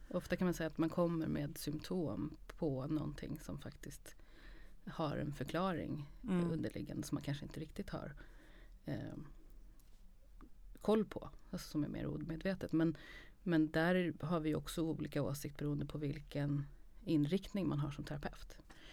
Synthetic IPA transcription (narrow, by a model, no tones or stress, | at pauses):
ʔɔft̪akʰanmansɛjat̪mankʰɔmːə̰ɾmḛːd̪sʏmpt̪ʰoːmpʰɔnɔ̰nt̪ʰɪ̰ŋːsɔmfakt̪ɪskt̪ | haɾɛ̰nfœɾkʰlɑːɾɪ̰ŋɵnd̪əɭʔɪɡːa̰nd̪əsɔmːankʰanʂəɪnt̪əɾɪk̚t̪ɪt̪ha̰ɾ | kʰɔlːpʰɔ̰sɔmæ̰ɾmḛːɾʔṵːd̪meːd̪veːt̪ət̪mɛnmɛnd̪æɾɦaɾvɪjɔksɔuːliːkaoːsɪkt̪̚bɛɾuːənd̪əpʰɔvɪlkənɪnɾɪkt̪nɪŋmanɦaʂɔmt̪ʰɛɾapʰɛft̪